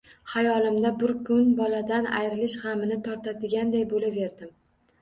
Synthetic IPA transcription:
hajɒlɪmd̪abʊɾkʰʊnbɒlad̪ana̰jɾɪlɪʃhamɪnɪt̪ʰɒɾt̪ʰad̪ɪɡʲand̪ajbolave̞ɾd̪ɪm

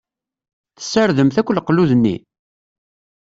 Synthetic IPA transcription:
θə̥sːəɾðəmθækʷːlqluðənːḭ

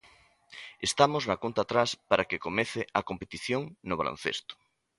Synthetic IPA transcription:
est̪amoznɐkont̪aːt̪ɾaspaɾakekomeθeɐkompet̪iθjoŋnoβ̞alo̰n̟θḛst̪ʊ̥

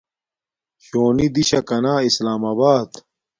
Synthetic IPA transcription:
ɕoːnid̪iɕɐkɐnaːislaːmaːbaːd̪

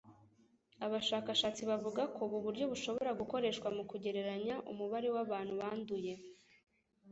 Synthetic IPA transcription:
aβaʃaːkaʃaːt͡siβavuɡakʰo̞βuβuɾɟo̞βuʃo̞βo̞ɾaɡuko̞ɾe̞ːʃkwamukuɟe̞ɾe̞ɾaɲaʔṵmuβaɾewaβaːn̥huβaːnduje̞

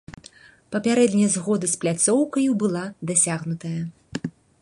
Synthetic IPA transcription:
pɐpʲaɾɛd̪nʲijɐzɣɔd̪ɨsplʲat̪sɔwkɐjubɨlˠad̪asʲaɣnut̪ɐjɐ

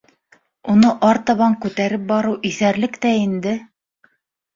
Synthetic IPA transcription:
unɤʔɑɾt̪ɑβɑŋkʉt̪æɾɘp̚bɑɾɤwʔiθæɾlɘkt̪æind̪ɘ

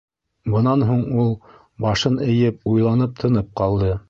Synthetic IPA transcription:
bɤ̆nɑnɦuɴulˠ | bɑʃɤnɘ̆jɘp̚ujlˠɑnɤp̚t̪ʰɤ̆nɤp̚qɑlˠd̪ɤ

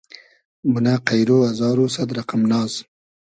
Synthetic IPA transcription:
mʊnaqajɾoazɑːɾusad̪ɾaqamnɑːz̥

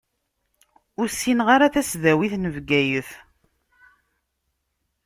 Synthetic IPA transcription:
ʊɾsːinʁaɾaθæsðæwiθnəvɡæjəθ

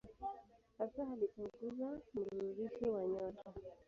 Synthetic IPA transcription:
hasahalipuŋɡuzam̩ɾuuɾiʃiwaɲɔtɔ

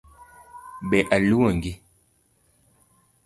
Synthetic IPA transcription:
bɛʔaluwɔŋɡi

